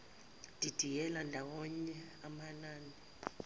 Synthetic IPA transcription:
d̥ʱid̥ʱijɛlandʱawɔɲɛ | amanaːni

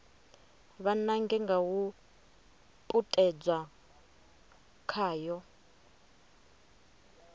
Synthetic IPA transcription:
βanaŋɡɛŋɡawu | pʼutʼɛd͡zwa | kʰaːjɔ

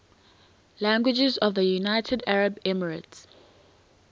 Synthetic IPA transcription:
læ̃ŋɡwɪd͡ʒɪzɔvðəjunaɪtʰədaɹəbɛməɹəts

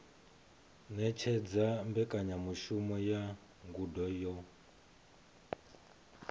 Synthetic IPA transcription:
nɛt͡ʃʰɛd͡zambɛkʼaɲamuʃumɔja | ŋɡudɔjɔ

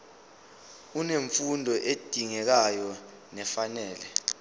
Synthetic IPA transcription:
uneɱfundʱɔʔed̥ʱiŋɛk̬ajɔ | nɛfanɛːlɛ

